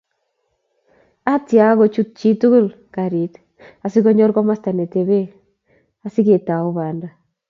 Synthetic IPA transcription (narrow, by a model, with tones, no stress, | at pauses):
a˦tja˨˦ɣo˨t͡ʃu˦t̚t͡ʃi˦tu˦ɣu˦l | ka˨ɾi˨t | a˨si˦ɣo˦ɲɔ˦ɾkɔ˦ma˦sta˨ne˨te˨βe˦ | a˨si˦ɣe˨ta˨o˦βa˨nda˨